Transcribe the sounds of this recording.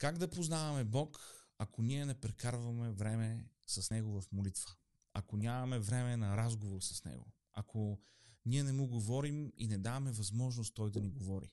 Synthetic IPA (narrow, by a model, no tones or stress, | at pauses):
kaɡd̪ɐpoznavɐmɛbɔkɐkoniɛnɛpɾɛkaɾvɐmɛvɾɛmɛ | sɐsnɛɡovɐfmolit̪və̥ | ɐkonʲamɐmɛvɾɛmɛnɐɾazɡovoɾsɐ̥snɛ̰ɡo̰ | ɐkʰo | niɛnɛmuɡovɔɾimḭnɛd̪avɐmɛvɐzmɔʒnost̪ːɔjd̪ɐniɡovɔɾḭ